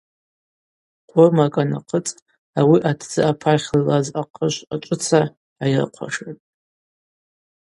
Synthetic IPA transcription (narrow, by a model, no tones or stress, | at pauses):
qʷʰʊrmakʼana̰qʰət͡sʼ | awiʔatʰd͡zɨapʰaχʲllːazaqʰəʃʷat͡ʃʷʼʊt͡sʰa | ajɪrqʷʰa̰ʂatʼ